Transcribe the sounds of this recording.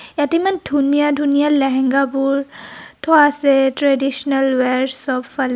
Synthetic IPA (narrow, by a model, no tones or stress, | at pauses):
jat̪imandʱunijadʱunijalɛɦɛŋɡapuɹtʰɔasɛtɹɛdisnɐlwɛɹsɔbfal